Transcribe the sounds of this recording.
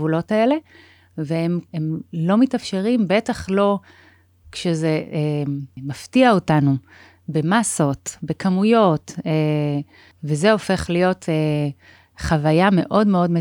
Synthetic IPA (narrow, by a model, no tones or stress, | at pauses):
vulo̞tae̞le̞ | veememlo̞mitafʃe̞ʁimbe̞taχlo̞ | kʃezeemaftiaotanu | be̞masotbe̞kamujo̞te | vezeo̞fe̞χlijo̞tʰe | χavajame̞ʔo̞dme̞o̞dme